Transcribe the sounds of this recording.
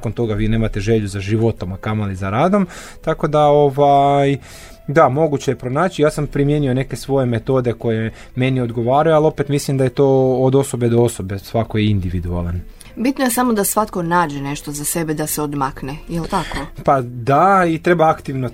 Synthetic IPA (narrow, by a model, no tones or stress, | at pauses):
kont̪o̞ɡaʋiːne̞ːmat̪e̞ʒe̞ʎuzaʒiʋo̞t̪o̞makamoalizaɾaːd̪o̞m | t̪ako̞d̪ao̞ʋaj | d̪amo̞ɡut͡ɕejepɾo̞naːt͡ɕijaːsampɾimje̞nio̞neke̞sʋo̞je̞me̞t̪o̞d̪e̞ko̞je̞ | me̞nio̞d̪ɡo̞ʋaːɾajualˠo̞pe̞t̪mislimd̪aje̞t̪o̞ːod̪o̞so̞be̞d̪oo̞so̞be̞sʋakojeind̪iʋid̪ua̰lan | bit̪noje̞samo̞d̪asʋat̪ko̞naːd͡ʒe̞ne̞ʃt̪ozase̞bed̪aseod̪maknejelt̪akopad̪ait̪ɾe̞baakt̪iʋno